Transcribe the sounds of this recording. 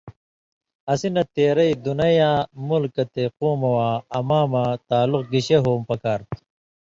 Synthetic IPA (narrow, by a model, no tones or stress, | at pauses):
ɐsinɐt̪eːɾɐjd̪unɐjaːmulkɐt̪equːmɐwaːɐmaːmat̪aːluqɡiɕeɦoːmpɐkaːɾt̪ʰ